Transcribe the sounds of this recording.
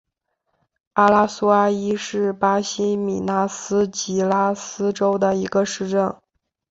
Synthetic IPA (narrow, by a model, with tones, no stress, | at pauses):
a˥la˥su˥a˥i˥ʂɻ̩˥˩pa˥ɕi˥mḭ˨˩na˥sɹ̩˥t͡ɕi˧˥la˥sɹ̩˥ʈ͡ʂo˥ʊd̪ə˨i˧˥ɡə˧ʂɻ̩˥˧ʈ͡ʂə˥˩n